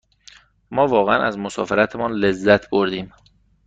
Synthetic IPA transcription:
mɒːvɒːɣeænʔæzmosɒ̰ːfeɾæt̪ʰemɒːnle̞zːæt̪ʰboɾd̪iːm

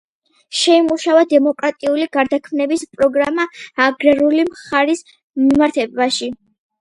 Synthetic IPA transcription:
ʃɛimuʃavad̪ɛmɔkʼɾat̪ʼiuliɡ̥aɾd̪akʰmnɛbispʼɾɔɡɾamaːɡɾɛɾulimχaɾis | mimaɾt̪ʰɛbaʃi

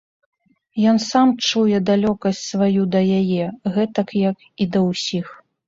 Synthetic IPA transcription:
jɔnsamt͡ʂujɛd̪alʲɔkɐsʲt͡sʲsvajud̪ɐjajɛɣɛt̪ɐkjɐk | id̪ɐwsʲix

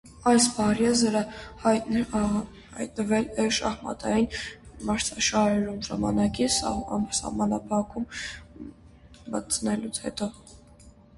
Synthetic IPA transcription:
ɑjsbɑɾjɛzəɾəhjt | hɑ̰jt̪̚nəvɛlɛʃɑ̰hmɑ̰t̪ɑjinmɑɾt͡sʰɑʃɑɾɛɾumʒɑmɑnɑkissɑ̰hmɑnɑpʰɑkʰum | mət͡sʰənɛlut͡sʰhɛ̰t̪ɔ

